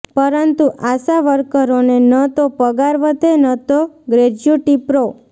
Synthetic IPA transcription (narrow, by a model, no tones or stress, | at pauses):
pəɾənt̪uʔasaʋəɾkəɾonenət̪opəɡaɾʋət̪enət̪oɡɾed͡ʒjuʈipɾo